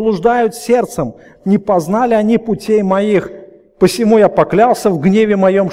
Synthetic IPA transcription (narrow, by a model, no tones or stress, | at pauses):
blˠʊʐd̪ajʊt̪sʲe̞rt̪səm | nʲɪpɐznalʲɪɐnʲipʊtʲejmɐix | pəsʲɪmujapɐklʲalˠsʲəvɡnʲevʲɪmɐjo̞m